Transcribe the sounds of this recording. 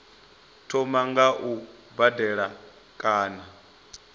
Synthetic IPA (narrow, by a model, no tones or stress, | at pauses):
tʰɔmaŋɡaʔu | badɛɺa | kʼaːna